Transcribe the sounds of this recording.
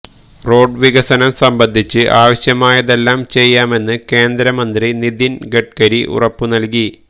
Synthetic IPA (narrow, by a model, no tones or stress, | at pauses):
ro̞ːɖʋiɣɐsɐnɐmsɐmbɐnd̪ʱit͡ɕːɨʔaːʋɐɕjɐmaːjɐðe̞lːaːmt͡ɕe̞jːaːme̞nːɨke̞ːnd̪ɾɐmɐnd̪rinid̪inɡe̞ʈ̚kɐɾiʔṵrɐpːunɐlki